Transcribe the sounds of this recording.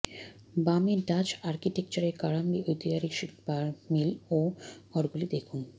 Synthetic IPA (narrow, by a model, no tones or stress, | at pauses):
bameɖat͡ɕaɾkiʈekt͡ɕaɾekaɾambiʔojt̪iaɾiʃikbaɾmiloɔɾɡulid̪ekʰun